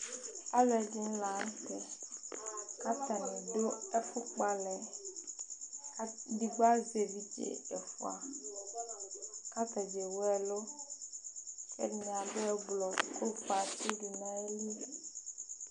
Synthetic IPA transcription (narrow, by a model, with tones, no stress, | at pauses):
a˦lɛ˨d͡ʒi˦n˦la˨˦ŋ˦tɛ˨ | ka˦t̪a˨nĩ˨ɖo˦ɛ˦fu˦k͡pa˨lɛ˨˦ | di˦ɡ͡ba˦ze˨vi˦d͡ʒḛ˨ɛ˨fu˦˨a˨ | ka˦t̪ɛ˨d͡ʒe˨wo˦ɛ˦lo˦ | kʰɛ̰˦nĩ˨a˨bɛ˦ɡ͡blɔ˨ko˦k͡pa˨t͡ʃi˦ɖu˨nã˦li˦